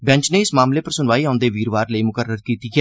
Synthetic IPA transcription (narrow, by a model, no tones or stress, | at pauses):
bɛ̃ɲt͡ʃneːɪsmaːmleːpəɾsʊnʋaːiːãʊnd̪eːʋiːɾʋaːɾləiːmʊkəɾəɾkiːt̪iːkɛː